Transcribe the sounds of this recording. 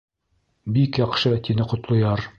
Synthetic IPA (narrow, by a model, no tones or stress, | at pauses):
bikjɑqʃɤt̪inɘqŏt̪lˠŏjɑɾ